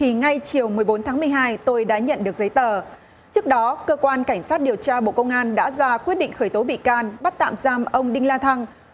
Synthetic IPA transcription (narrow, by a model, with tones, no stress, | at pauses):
t̪ʰi˨˩ŋa˧jt͡ɕi˨˩əwmɨ˨˩əjɓo˨˦nt̪ʰaː˨˦ŋmɨ˨˩əjɦaː˧jt̪o˧jɗa̰ː˧˥ɲə̰˧˨nɗɨ˨˩ək̚zə˨˦jt̪əː˨˩ | t͡ɕɨ˦˥k̚ɗɔ˨˦kəː˧kwaː˧nka˧˩jŋ̟saː˦˥t̚ɗi˨˩əwt͡ɕaː˧ɓo̰˧˨kə˧wŋ͡mʔaː˧nɗa̰ː˧˥zaː˧kwi˦˥ət̚ɗḭ˧˨ŋ̟xəː˧˩jt̪o˨˦ɓḭ˧˨kaː˧nɓa˦˥t̚t̪a̰ː˧˨mzaː˧mʔə˧wŋ͡mɗï˧ŋ̟laː˧t̪ʰa˧ŋ